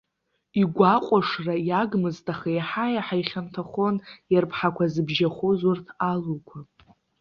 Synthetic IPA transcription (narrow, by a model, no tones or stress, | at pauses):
iɡʷaqʷʼaʂrajaɡmɨztʼaχejħajaħajχʲantʰaχo̞njarpʰħakʷʰazɨbʒaχʷozʊrtʰalukʷʰa